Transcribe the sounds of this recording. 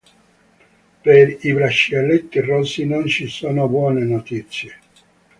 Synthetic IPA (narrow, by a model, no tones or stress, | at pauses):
peɾibɾaʃːialːet̪ːirosinont͡ʃisoːnobwɔːnenot̪it̪sːje